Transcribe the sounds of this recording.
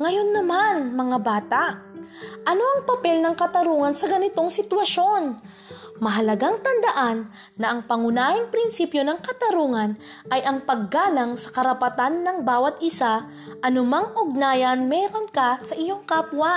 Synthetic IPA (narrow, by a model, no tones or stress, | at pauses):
ŋɐjo̞nːɐmanmɐŋabaːt̪aʔ | ʔɐno̞ʔɐŋpɐpɛlnɐŋkɐt̪ɐɾuːŋɐnsɐɡɐnɪt̪o̞ŋsɪt̪wɐʃo̞n | mɐɦɐlɐɡaŋt̪ɐnd̪ɐʔanː | ɐʔɐŋpɐŋʊnaːhɪŋpɾɪnsipjo̞nɐŋkɐt̪ɐɾuːŋɐn | ʔɐjʔɐŋpɐɡːaːlɐŋsɐ̥kɐɾɐpɐt̪anːɐŋbaːwɐt̪ʔɪsa | ʔɐnʊmaŋʔʊɡ̚naːjɐnmɛːɾo̞ŋkɐsɐʔɪjo̞ŋkapwa